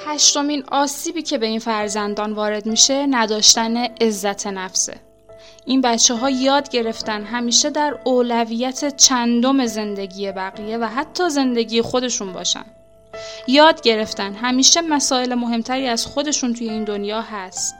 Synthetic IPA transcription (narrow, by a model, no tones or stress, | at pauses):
hæʃt̪o̞miːnɒːsiːbiːcʰe̞be̞infæɾzænd̪ɒːnvɒːɾe̞d̪miːʃenæd̪ɒːʃt̪æne̞ʔezːæt̪ʰe̞næfsḛ | ʔinbæt͡ʃʰːeɦɒːjɒːd̪ɟe̞ɾe̞ft̪ænɦæmiːʃe̞d̪æɾoːlæviːjæt̪ʰe̞t͡ʃʰænd̪o̞me̞ze̞nd̪e̞ɟiːje̞bæɣije̞væɦæt̪ʰːɒːze̞nd̪e̞ɟiːjexo̞d̪e̞ʃunbɒ̰ːʃæ̰nd | jɒːd̪ɟe̞ɾe̞ft̪ænɦæmiːʃe̞mæsɒːelemo̞ɦe̞mt̪ʰæɾiːæz̥xo̞d̪e̞ʃuːnt̪ʰujeiːnd̪onjɒːɦæst̪